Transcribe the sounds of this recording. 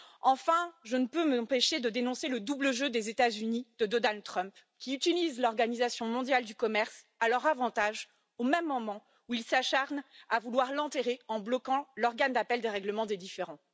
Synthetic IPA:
ɑ̃fɛ̃ʒənəpøməɑ̃peʃed̪əd̪enɔ̃seləd̪ubləʒød̪ezet̪azynid̪̥əd̪ɔnald̪̚t̪χœ̃mp | kʲiyt̪ilizlɔʁɡanizasjɔ̃mɔ̃d̪jald̪ykɔmɛʁs | alœʁavɑ̃t̪aʒ | omɛmːɔmɑ̃ | uilsaʃaʁnavulwaʁlɑ̃t̪eʁeɑ̃blɔkɑ̃lɔʁɡand̪apɛld̪eʁɛɡləmɑ̃d̪ed̪ifeʁɑ̃

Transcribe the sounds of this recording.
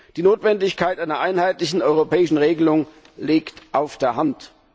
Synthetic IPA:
d̥iːnoːtv̥ɛndɪçkʰaɪtʔaɪnɐʔaɪnhaɪtlɪçn̩ɔʏʁopʰɛːɪʃn̩ʁeːɡəlʊŋ | liːktʔaʊfd̥eːɐɦant

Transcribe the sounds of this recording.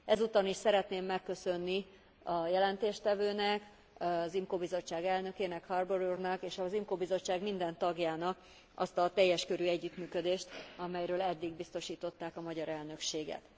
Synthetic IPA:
ɛzut̪ɒniʃsɛɾɛt̪neːmːɛkːø̞sø̞nːi | ɒjɛlɛnt̪eːʃt̪ɛvøːnɛk | zimkoːbizo̞t͡ʃːaːɡɛlnø̞keːnɛkhɒrboɾurnɒkeːʃɒzimkoːbizo̞t͡ʃːaːɡmind̪ɛnt̪ɒɡjaːnɒk | ɒ̰st̪ɒt̪ɛjːɛʃkø̞ɾyːɛɟːyt̪myːkø̞d̪eːʃt̪ɒmɛjɾøːlɛd̪ːiɡbist̪o̞ʃiːt̪o̞t̪ːaːkɒmɒɟɒɾɛlnø̞kʃeːɡɛ̰t̪

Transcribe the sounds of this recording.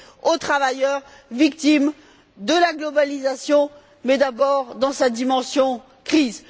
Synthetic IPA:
ot̪χavajœʁ | vikt̪im | d̪əlaɡlɔbalizasjɔ̃ | mɛd̪abɔʁd̪ɑ̃sad̪imɑ̃sjɔ̃ | kχiz

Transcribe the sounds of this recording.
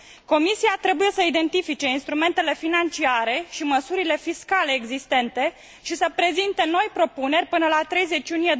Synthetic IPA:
ko̞misiat̪ɾe̞buje̞səid̪e̞nt̪ifit͡ʃe̞inst̪ɾume̞nt̪e̞le̞finant͡ʃiaɾe̞ʃiməsuɾile̞fiskale̞ːɡzist̪e̞nt̪e̞ | ʃisəpɾe̞zint̪e̞no̞jpɾo̞pune̞rʲpɨnəlat̪ɾe̞jze̞t͡ʃjunije

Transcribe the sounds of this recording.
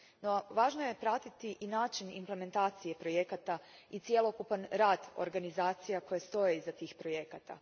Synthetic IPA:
no̞ʋaːʒnoje̞pɾat̪it̪iʔinaːt͡ʃinḭmple̞me̞nt̪aːt̪sije̞pɾo̞je̞kat̪a | it̪sije̞lo̞kupanɾaːd̪o̰ɾɡanizaːt̪sijako̞jest̪o̞jeizat̪iːxpɾo̞je̞kat̪a̰

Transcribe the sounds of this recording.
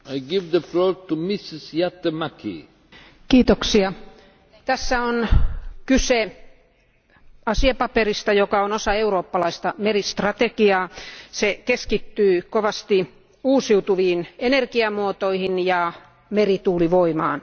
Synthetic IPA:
ajɡivd̪əfloːɾt̪umisisjat̪ːemakʰḭ | kiːt̪oksiɑ | t̪æsːæonkyse | ɑsiɑpɑperist̪ɑjokɑonosɑeuroːpːɑlɑist̪ɑmerist̪rɑt̪ekiɑːsekeskit̪ːyːkoʋɑst̪i | uːsiut̪uʋiːnenerkiɑmuot̪oihinjɑ | merit̪uːliʋoimɑːn

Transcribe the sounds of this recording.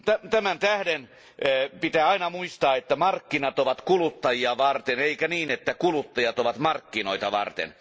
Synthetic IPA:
t̪æt̪æmænt̪æhden | pit̪æːɑinɑmuist̪ɑːet̪ːæmɑrkːinɑt̪oʋɑt̪kulut̪ːɑjiɑʋɑrt̪eneikæniːnet̪ːækulut̪ːɑjɑt̪oʋɑt̪mɑrkːinoit̪ɑʋɑ̰rt̪ḛn

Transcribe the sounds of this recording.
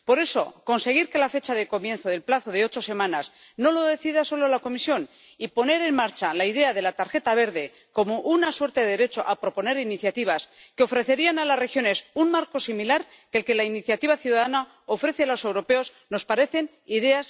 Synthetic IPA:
po̞ɾe̞so̞̰ko̞nse̞ɣ̞iɾke̞lafe̞t͡ʃaðe̞ko̞mje̞nθo̞ðe̞lplaθo̞ð̞eo̞t͡ʃo̞se̞mãnas | no̞lo̞ðe̞θiðaso̞lo̞lako̞misjo̞n | ipo̞ne̞ɾe̞nmaɾt͡ʃalaið̞e̞aðe̞lat̪aɾxe̞t̪aβ̞e̞ɾðe̞ | ko̞mo̞ʔunaswe̞ɾt̪eðeɾe̞t͡ʃo̞ʔapɾo̞po̞ne̞ɾiniθjat̪iβ̞askeo̞fɾe̞θe̞ɾianalasre̞xjo̞ne̞sunmaɾko̞similaɾ | kelke̞lainiθjat̪iβaθjuðaðana | ofɾe̞θealo̞se̞wɾo̞pe̞o̞z | no̞spaɾe̞θe̞n | iðe̞as

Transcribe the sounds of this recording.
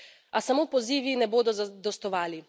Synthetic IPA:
asamoːpɔziːʋinɛboːd̪ɔzd̪ɔst̪ɔʋaːli

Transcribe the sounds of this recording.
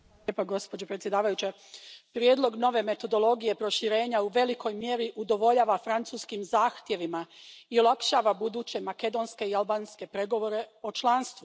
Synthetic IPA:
epaɡo̞spo̞d͡ʑo̞pɾet̪sjed̪aːʋajut͡ɕe | pɾjeːd̪lˠo̞ɡno̞ʋe̞me̞t̪o̞d̪o̞lˠo̞ɡije̞pɾo̞ʃiɾe̞ːɲauʋe̞liko̞jmje̞ɾiʔud̪o̞ʋo̞ʎaːʋafɾant̪suːskimzaːxt̪je̞ʋimaiolˠakʃaːʋabud̪uːt͡ɕe̞make̞d̪o̞ːnske̞ialˠbaːnske̞pɾeɡo̞ʋo̞ɾe̞o̞t͡ʃlˠaːnst̪ʋu

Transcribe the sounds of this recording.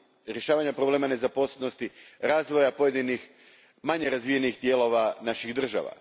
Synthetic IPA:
ɾje̞ʃaːʋaɲapɾoble̞ːmane̞zapo̞sleno̞st̪iɾaːzʋo̞japo̞je̞d̪inix | maɲe̞ɾazʋije̞nixd̪jeːlo̞ʋanaʃiɣd̪r̩ʒa̰ʋa̰

